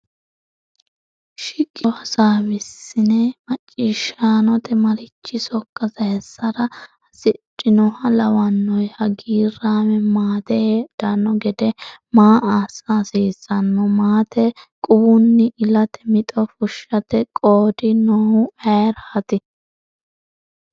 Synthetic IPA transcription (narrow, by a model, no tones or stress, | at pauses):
ʃɪkʼːɪɐsaːmɪsːɪnɛmɐt͡ʃʼːiːʃaːnɔt̪ʰɛmɐɾɪt͡ʃːɪsɔkːɐzɐhɛsːɐɾɐ | ɐsɪt͡ʃʼːɪnɔhɐlɐwɐnːɔjhɐɡiːɾaːmɛmaːt̪ɛed̪̥ɐnːɔɡɛd̪ɛmaːʔaːsaːsiːsɐnːɔmaːt̪ɛkʼʊbʊnːɪʔɪlɐt̪ɛmɪt̪ʼɔfʊʃːɐt̪ɛkʼoːd̪ɪnɔhʊɛːɾhɐt̪ɪ